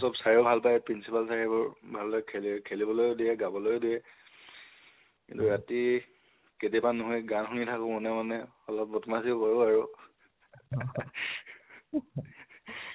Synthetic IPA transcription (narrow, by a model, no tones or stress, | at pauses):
sɔbsaɹiʊbʱalpajpɹinsipalsaɹibɔɹbʱalpajkʰelkʰelibɔlojʊdijɛɡabɔlojʊdiɛ | kḭntuɹati | ketiɛpanːuɦɔjɡanxunitʰakʊmɔnɛmanɛ | ɔlɔp̚bɔtmasipaɹuaɹu